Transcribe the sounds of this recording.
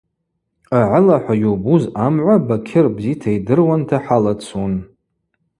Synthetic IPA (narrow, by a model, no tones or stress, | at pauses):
aʕalaħʷajobuzamʕʷabakʲʰɪrbzitʰaidɨrwantʰaħalat͡sʰun